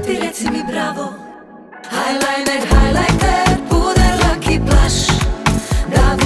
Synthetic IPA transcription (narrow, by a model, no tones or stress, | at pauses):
t̪iɾɛsimibɾavɔ | hajlajnɛɾɦajlajt̪ɛpud̪ɛlakiplaʃ | d̪aɡ